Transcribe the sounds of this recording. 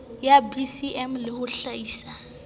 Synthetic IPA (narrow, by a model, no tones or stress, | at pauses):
jabisiʔɛmlɪhʊɬaiːsa